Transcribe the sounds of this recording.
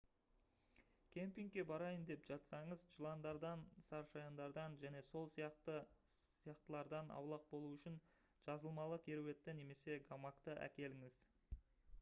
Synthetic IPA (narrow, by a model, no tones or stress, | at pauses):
kʲʰe̞mpʲiŋɡkʲe̞bɑɾɑjənd̪e̞pʒ̥ɑt̪sɑɴəzʒəlˠɑnd̪ɑɾd̪ɑnsɑɾʃɑjɑnd̪ɑɾd̪ɑnʒæne̞so̞lˠsijɑqt̪əijɑqt̪əlˠɑɾd̪ɑnɑ̰wlˠɑq̚bo̞lˠuʏʃɪn | ʒ̥ɑzəlˠmɑlˠəkʲʰeɾowe̞t̪ːɪne̞me̞se̞ɡamakt̪əʔæ̰kʲe̞lɪŋɪz̥